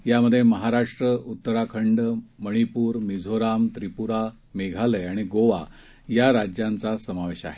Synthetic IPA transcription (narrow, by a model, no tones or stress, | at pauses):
jaməd̪ʱːjeməɦaɾaʂʈɾəut̪ːəɾakʰəɳɖməɽ̃ipuːɾmid͡zʱoɾamt̪ɾipuɾa | meɡʱaləaɽ̃iɡoʋa | jaɾad͡ʑjant͡sasəmaʋeɕa̰ɦe